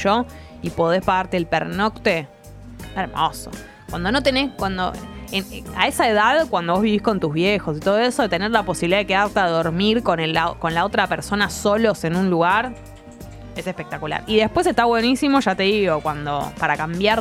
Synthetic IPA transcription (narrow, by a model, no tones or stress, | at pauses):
ʃo | ipo̞ð̞e̞spaɣaɾt̪eːlpeɾnokt̪e | eɾmoso̰ | kwand̪onot̪e̞ne̞skwand̪o̰ena̰e̞saeðaðkwand̪oβ̞oβiβihko̞nt̪uzβjexo̞s̬it̪o̞ð̞o̞eso̞ðet̪eneɾlapo̞siβiliðaekeðaɾt̪eaðo̞ɾmiɾko̞nelako̞nlao̞t̪ɾapeɾso̞naso̞lo̞se̞nũnluɣaɾ | e̞sehpe̞k̚t̪akula̰ɾiðe̞hpwes̬e̞st̪aβwe̞nisimo̞ʒat̪e̞ðiɣo̞kwand̪o̞̰paɾakambjaɾ